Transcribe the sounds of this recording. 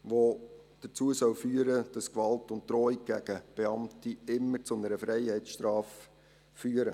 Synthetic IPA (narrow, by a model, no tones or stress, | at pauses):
ʋo | d̥ət͡suəsœwfyːəɾəd̥ɑskʋɑltʊnttːɾɔik̚ɡ̥æɡəb̥eɑmtiɪmːəɾt͡sʊnəɾəfɾɛɪhɛt͡sʃtɾɑːfː | yːəɾə